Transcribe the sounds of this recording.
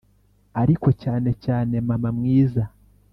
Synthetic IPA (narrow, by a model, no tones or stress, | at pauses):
aɾiko̞caːne̞caːne̞mamamŋiːza